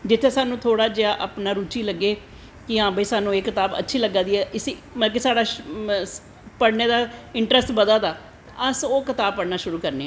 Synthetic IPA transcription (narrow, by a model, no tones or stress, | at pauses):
d͡ʒɪt̪ʰːeːsaːnũːt̪ʰoːɽaːd͡ʒeaːʔapnaːɾuːt͡ʃiːləɡːeː | kɪãːbəiːsaːnũːeːkɪt̪aːbə̰tːʃʰiːləɡãːd̪iːɛːʔɪsiməlk̬esaːɽaː | pəɽneːd̪aːɪɳʈɾəsʈbəd̪aːd̪aː | əsoːkɪt̪aːb̚pəɽnaːʃʊɾuːkəɾneːɛː